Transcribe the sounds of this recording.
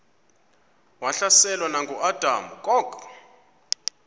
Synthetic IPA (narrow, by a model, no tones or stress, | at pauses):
waɬasɛlwanaŋɡʱuʔad̥ʱamukʼɔɡ